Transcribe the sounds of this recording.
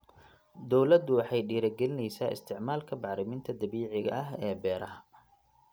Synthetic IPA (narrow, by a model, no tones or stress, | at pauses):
d̪ɔwlɐd̪ʊwɑħɑjɖiːɾɐɡɛlɪnɛjsa̰ːʔɪ̰st̪ʰɪʕmaːlkʰɐbɑʕɾɪmɪnt̪ʰɐd̪ɐβiːʕɪɣɐ̰ʔɐɦɛːbɛːɾɐɦɐ